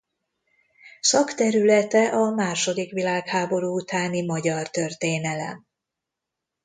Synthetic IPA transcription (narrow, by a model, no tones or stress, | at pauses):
sɒkt̪ɛɾylɛt̪ɛʔɒmaːʃo̞d̪ikʋilaːkhaːbo̞ɾuːut̪aːnimɒɟɒrt̪ø̞rt̪eːnɛlɛ̰m